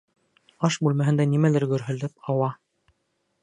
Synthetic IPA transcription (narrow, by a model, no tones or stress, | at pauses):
ɑʃbʉlmæɦɘ̆nd̪ænimælɘɾɡɵ̆ɾɦɵ̆lɘp̚ɑwɑ